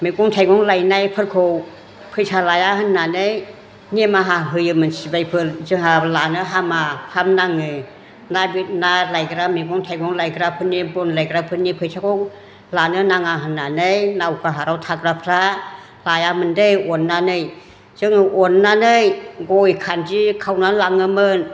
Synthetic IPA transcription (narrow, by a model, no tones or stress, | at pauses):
miɡɔŋtʰajɡɔŋlajnajpʰɯɾkʰow | pʰɯjtʰalajaɦɯnːanej | nimaɦaɦɯjɯmɯnsibajpʰɯlzɯŋalanɯɦamahamnaŋɯ | nabit̚nalajɡɾamiɡɔŋtʰajɡɔŋlajɡɾapʰɯnibɔnlajɡɾapʰɯnipʰɯjtʰakɔŋ | lanɯnaŋaɦɯnːanɯjnawkʰaɦaɾawtʰakɾapʰɾa | lajamɯndɯjɔnːanɯj | z̥ɯŋɯʔɔnːanɯjɡɔjkʰand͡ʒikʰawnalaŋɯmɯn